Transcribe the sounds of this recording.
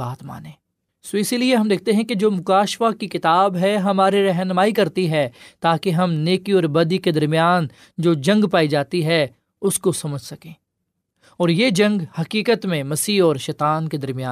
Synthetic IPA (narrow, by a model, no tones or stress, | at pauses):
aːt̪ma̰ːnẽː | sɪsilieɦɐmd̪eːk̚ʰt̪eɦɛ̃ked͡ʒoːmʊkaːʃʋakikɪt̪aːbɦɛɦɐmaːɾiɾɐɦnmaːikɐɾt̪iɦɛt̪aːkeɦɐmneːkiɔːɾbɐd̪iked̪ɐɾmijaːn | d͡ʒoːd͡ʒɐ̃ŋɡpaːid͡ʒaːt̪iɦɛ | ʊskosɐməd͡ʒʱsɐkẽː | ɔːɾjeːd͡ʒɐ̃ŋɡhɐkiːkət̪mẽmɐsiːɔːɾʃɛːt̪aːnked̪ɐɾmijaː